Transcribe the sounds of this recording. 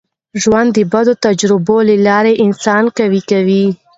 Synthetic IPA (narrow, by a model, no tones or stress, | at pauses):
ʒwand̪ːəbad̪ot̪ad͡ʒɾɪbolelɑɾeʔɪnsɑnkawikawi